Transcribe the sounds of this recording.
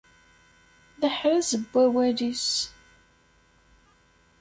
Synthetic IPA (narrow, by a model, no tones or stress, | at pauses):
ðəħɾəzəbʷːæwælis